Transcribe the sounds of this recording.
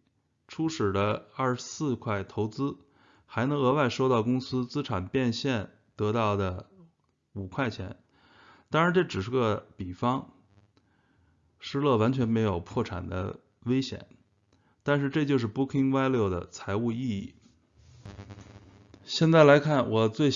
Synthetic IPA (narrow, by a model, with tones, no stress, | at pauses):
ʈ͡ʂʰu˥ʂɻ̩˨˩lə˦ɐ˥˩ʂsɹ̩˥˧kʰwa˥˩ɪt̪ʰo˧˥ʊt͡sɹ̩˥ | xa˧˥ɪnɤ˧˥ŋɤ˧˥wa˥˩ɪʂo˥ʊt̪ɑ˥˩ʊkʊ˥ŋsɹ̩˥t͡sɹ̩˥ʈ͡ʂʰa˨˩npjɛ˥˧nɕjɛ˥˩n | t̪ɤ˧˥t̪ɑ˥˩ʊd̪ə˩ | u˨˩kʰwa˥˩ɪt͡ɕʰjɛ˧˥n | t̪ɑ˥ŋɻa˧˥nʈ͡ʂɤ˥˩ʈ͡ʂɻ̩˨˩ʂɻ̩˧˥ɡə˧pi˨˩fɑ˥ŋ | ʂɻ̩˥lɤ˥˩wa˧˥nt͡ɕʰɥɛ˧˥nme˧˥ɪjo˨˩ʊpʰwɔ˥˩ʈ͡ʂʰa̰˨˩nd̪ə̰˦ | we˥ɪɕjɛ̰˨˩˦n | t̪a˥˧nʂ̬ɻ̩˥˧ʈ͡ʂɤ˥˧t͡ɕjo˥˧ʊʂ̬ɻ̩˥˧pu˥kʰi˥ŋwa˥˧ɪljo˥˩ʊd̪ə̰˩t͡sʰa˧˥ɪu˥˧i˥˧i˥˩ | ɕjɛ˥˧nt͡sa˥˩ɪla˧˥ɪkʰa˥˩nwɔ˨˩t͡swe˥˧ɪ